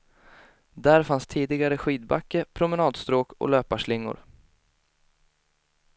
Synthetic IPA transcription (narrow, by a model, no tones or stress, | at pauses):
d̪æɾfanst̪ʰiːd̪ɪɡaɾəɧiːd̪̚ba̰kːəɾpʰɾʊmɛnɑːd̪st̪ɾoːkɔ̰løːpaʂɭɪŋːʊ̰ɾ